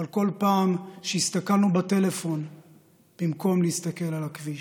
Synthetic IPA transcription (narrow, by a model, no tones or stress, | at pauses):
alko̞lpaːmʃeist̪akalnubat̪e̞le̞fo̞n | b̥imko̞mlehist̪ake̞lalakvi